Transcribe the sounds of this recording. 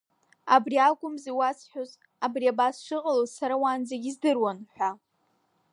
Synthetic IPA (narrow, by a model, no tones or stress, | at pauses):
abriakʷʼʊmziwasħᶣoz | abriabasʂɨqʼalozsaɾawand͡zaɡʲizdɨrwanħʷᶣa